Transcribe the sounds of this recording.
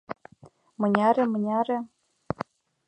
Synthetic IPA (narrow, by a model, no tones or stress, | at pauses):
mɤ̆nʲɑɾʲĕmɤ̆nʲɑɾĕ